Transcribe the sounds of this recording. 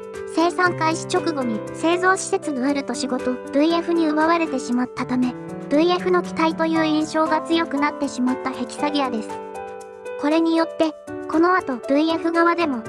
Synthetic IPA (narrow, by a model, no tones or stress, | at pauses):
se̞ːsãŋkaiɕi̥t͡ɕo̞kɯ̟ɡo̞ɲ̟ise̞ːzo̞ːɕi̥t̪e̞t͡sɨd̪oeɾɯ̟t̪o̞ɕiɡo̞t̪o̞b̥ɯ̟̃ĩe̞ɸɯ̟ɲ̟iɯ̟βaβaɾe̞t̪e̞ɕimat̪ːat̪ame̞ | b̥ɯ̟̃ĩe̞ɸɯ̟no̞kʲi̥t̪ait̪o̞jɯ̟ːĩɰ̃ɕo̞ːɡat͡sɨjo̞kɯ̟nat̪ːe̞ɕimat̪ːahe̞kʲi̥saɡʲijad̪e̞sɨ̥ | ko̞ɾe̞ɲ̟ijo̞t̪ːe̞ | ko̞no̞at̪o̞b̥ɯ̟̃ie̞ɸɯ̟ɡaβad̪e̞mo̞